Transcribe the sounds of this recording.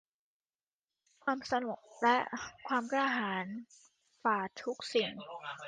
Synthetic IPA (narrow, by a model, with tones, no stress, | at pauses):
kʰwaː˧msa˧nu˨˩k̚lɛ˦˥ʔkʰwaː˧mkaː˧ɦaː˩˦n | faː˨˩t̪ʰu˦˥k̚si˨˩ŋ